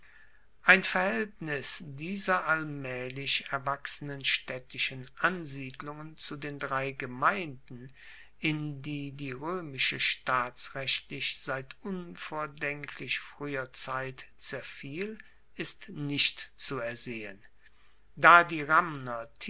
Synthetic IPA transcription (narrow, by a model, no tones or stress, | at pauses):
ʔaɪnfɛɐhɛltnɪsd̥iːzɐʔalmɛːlɪçɛɐvaksənənʃtɛtɪʃənʔanziːdlʊŋənt͡sudeːndʁaɪɡəmaɪ̃ndn̩ | ʔɪndiːdiːʁøːmɪʃəʃtaːsʁɛɕtʰlɪçz̥aɪtʔʊnfoːɐdɛŋkʰlɪçfʁ̥yːɐt͡saɪtt͡sɛɐfiːl | ɪstnɪʃtt͡suɛɐzeːən | daːdiːʁamnɐtʰ